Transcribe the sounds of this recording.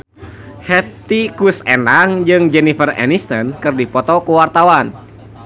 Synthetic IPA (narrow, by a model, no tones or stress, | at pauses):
hɛt̪ikusenaŋd͡ʒɨŋd͡ʒɛnifərɛ̰nist̪ənkɨrdipɔt̪ɔkuwart̪awan